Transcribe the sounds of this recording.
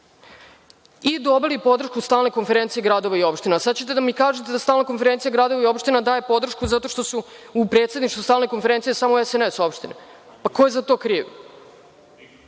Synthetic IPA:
id̪o̞bilipo̞d̪r̩ʃkust̪aːlne̞ko̞nfeɾent̪sieɡɾad̪o̞ʋaio̞pʃt̪inasad̪t͡ɕe̞t̪̬e̞d̪amikaːʒet̪ed̪ast̪aːlnako̞nfe̞ɾent̪sijaɡɾaːd̪o̞ʋaio̞pʃt̪inad̪aːje̞po̞d̪r̩ʃkuzat̪o̞ʃt̪o̞suːpɾet̪sʲed̪niʃt̪vust̪aːlne̞konfeɾe̞nt̪ijesamoɛseneso̞pʃt̪ine | pako̞jezat̪o̞ːkɾiːʋ

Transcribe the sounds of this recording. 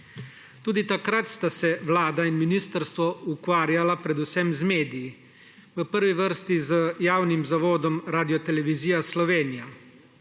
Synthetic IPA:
t̪uːd̪it̪akɾat̪st̪asɛʋlaːd̪ainminist̪əɾst̪ʋɔukʋaːɾjalapɾɛd̪usɛmzmeːd̪iji | ʋəpəɾʋiʋəɾst̪izəjaːwnimzaʋoːd̪ɔmɾaːd̪ijɔt̪ɛlɛʋiziːjaslɔʋeːnija

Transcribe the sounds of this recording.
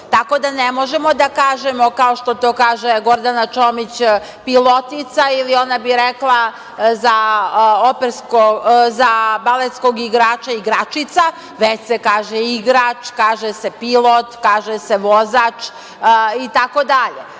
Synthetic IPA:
t̪ako̞d̪anemo̞ʒemo̞d̪akaːʒemo̞kao̞ʃt̪ot̪oːkaːʒeɡo̞ɾd̪anat͡ʃomit͡ɕ | pilˠo̞t̪it̪sailio̞nabiɾeklˠa | zaopeɾskozabalet̪sko̞ɡiɡɾaːt͡ʃaiɡɾat͡ʃit̪sa | ʋet͡ɕsekaːʒeiɡɾat͡ʃkaːʒesepilˠot̪kaːʒeseʋozaːt͡ʃ | it̪ako̞d̪aʎe

